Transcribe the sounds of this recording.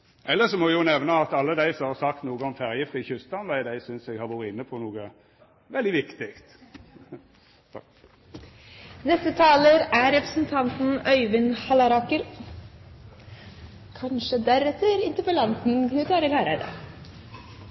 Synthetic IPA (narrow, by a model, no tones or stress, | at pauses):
ʔɛlːəsɔmɔɪjʊnɛʋnəɑt̪ɑlːəd̪æɪsɔmhɑɾsɑkt̪nuːɡəɔmfæʁjɪft̪ɪçʏst̪ɑnʋæɪd̪æɪsʏnsɛɡhɑʋɔɾəɪnːəpʰɔnuːɡə | ʋɛld̪ɪʋɪkt̪ɪkt̪ | nɛst̪ət̪ʰɑːləɾæɾɛpɾə̥sənt̪ʰɑnt̪n̩œʏʋɪnhɑlɑɾɑkəɾ | kʰɑnʂəd̪æɾɛt̪ːəɾɪnt̪əpəlɑnt̪n̩knʉt̪ʰɑːɾɪlæːɾəɾə̰